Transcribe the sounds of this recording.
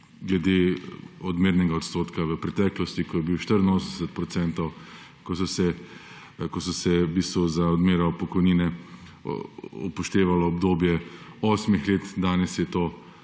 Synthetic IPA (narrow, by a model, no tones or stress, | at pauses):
ɡlɛd̪eːɔd̪meːɾnɛɡaɔt̪st̪oːt̪kaʋəpɾɛt̪ɛːklɔst̪ikɔjɛbiwʃt̪əɾənoːsnɛsɛt̪̚pɾɔt̪sɛnt̪ɔw | kɔsɔsɛ | kɔsɔsɛbiːst̪ʋuzaɔd̪meːɾɔpɔkɔjniːnɛ | ɔpɔʃt̪eːʋalɔːbd̪oːbjɛoːsmixleːt̪d̪aːnɛsjɛt̪oː